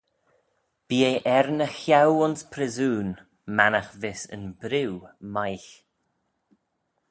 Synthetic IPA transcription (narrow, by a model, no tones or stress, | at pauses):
b̥iːeʔɛɾnəxjawʊnspʰɾɪzuːn | manaxvɪsə̰nbɾɪwmajɬ